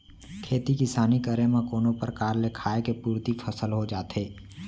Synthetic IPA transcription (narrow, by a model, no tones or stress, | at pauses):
kʰeːt̪ikɪsaːnikəɾemẽkoːnõpəɾkaːɾlekʰaːekepuːɾt̪ifʰəsəlɦod͡ʒaːt̪ɦeː